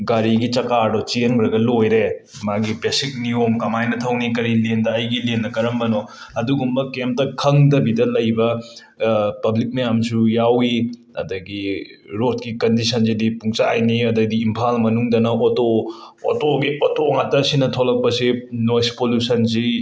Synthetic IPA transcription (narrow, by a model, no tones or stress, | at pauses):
ɡaɾiɡit͡ʃɐkadɔt͡ʃiŋɾɐɡɐlojɾe | maɡipesik̚niomkɐmajnɐtʰɐwnikɐɾilendɐːjɡilenːɐkɐɾɐmbɐno | ɐduɡumbɐkemp̚tɐkʰɐŋdɐbidɐlɐjbɐ | pɐblik̚mɐjamsujawi | ɐ̰dɐɡiɾot̚kikɐndisɐnsidipuŋsajniɐdɐdiːmpʰalmɐnuŋdɐnɐoto | o̰toɡiɔtoŋatɐsinɐtʰolɐk̚pɐsinojspolusɐns̬i